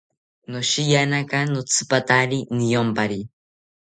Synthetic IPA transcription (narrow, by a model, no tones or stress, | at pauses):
noʃijanakanot͡sʰɨ̥pat̪aɾinɪjompaɾi